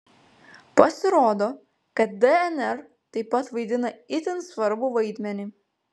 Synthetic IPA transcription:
pɐsʲɪɾoːd̪oː | kɐt̪̚d̪ɛɛnɛɾ | t̪ɐɪpːɐt̪ʋɐɪd̪ʲɪnɐɪt̪ʲɪnsʋɐɾbuʋɐɪd̪ʲmʲɛnʲɪ

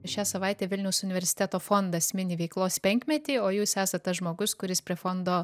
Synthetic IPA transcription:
ʃʲæːsɐʋɑɪt̪ʲeːʋʲɪlʲnʲɛʊsʊnʲɪʋʲɛɾʲsʲɪ̥t̪ʲɛt̪oːfoːnd̪ɐsʲmʲɪnʲɪʋʲɛɪklˠoːspʲɛŋʲkmʲɛt̪ʲiːoːjuːsæːsɐt̪̚t̪ɐsʒmoːɡʊskʊɾʲɪspʲɾʲiɛfoːnd̪oː

